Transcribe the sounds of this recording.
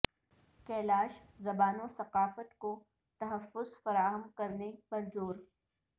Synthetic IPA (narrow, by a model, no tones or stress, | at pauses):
kɛːlaːʃ | zɐbaːnõsɐqaːfət̪ko | t̪ɐɦəfːʊzfɐɾaːɦəmkɐɾnebɐɾzoːɾ